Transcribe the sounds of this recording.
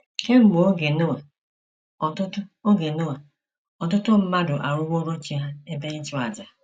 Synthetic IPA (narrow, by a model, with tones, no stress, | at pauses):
ke˦m̩˦ɡ͡bo˨o˦ɡe˨no˦wa˨ | ɔ˨tʊ˦tʊ˦o˦ɡe˨no˦wa˨ | ɔ˨tʊ˦tʊ˦m̩˦ma˦dʊ˨ʔa̰˨ɾʊ˦wo˦ɾo˦t͡ʃi˨˦a˦e˦be˦n̩˦t͡ʃu˦a˨d͡ʒa˨